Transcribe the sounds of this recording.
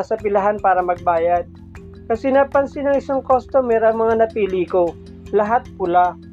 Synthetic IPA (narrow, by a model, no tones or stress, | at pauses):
sɐpɪlɐɦanpaːɾɐmɐɡ̚baːjɐd̪̚ | kɐsɛnapɐnsɪnɐŋɪsaŋko̞st̪omɛːɾɐŋmɐŋanɐpiːliko | lɐɦat̪̚pʊla